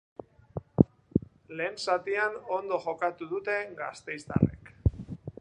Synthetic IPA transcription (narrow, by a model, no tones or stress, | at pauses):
le̞ːnsat̪iano̞nd̪o̞ʝo̞kat̪uðut̪e̞ɡa̰st̪e̞jzt̪a̰rḛk